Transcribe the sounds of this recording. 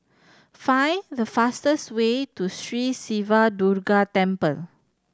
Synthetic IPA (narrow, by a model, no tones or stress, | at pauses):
fajdəfastəswetustɹisivaduɾɡatɛ̃mpə̰l